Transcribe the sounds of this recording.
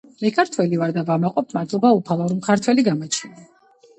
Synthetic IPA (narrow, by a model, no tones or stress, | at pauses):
mɛkʰaɾt̪ʰwɛlivaɾd̪avamaqʼɔpʰmad̪lˠɔbaupʰalˠɔɾmkʰaɾt̪ʰwɛliɡamɔt͡ʃʰina